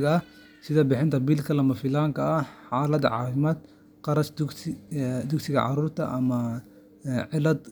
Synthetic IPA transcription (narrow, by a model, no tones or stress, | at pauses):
ɣɐɐ | sɪðɐbɪħɪnt̪ɐbilkʰɐlɐmɐfɪlaːŋkʰɐɐħaːlɐd̪ʕɑ̰ːfɪmaːd̪ | qɑɾɐsd̪ | d̪ʊksɪɣɐ̰ʕɑ̰ɾuːɾt̪ʰɐ̰ʔɐmɐ | ʕɪlɐd̪